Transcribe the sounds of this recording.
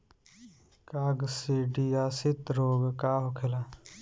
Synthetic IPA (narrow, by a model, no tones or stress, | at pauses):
kaːɡsiɖiaːsɪt̪ɾoːɡkaːɦokʰelaː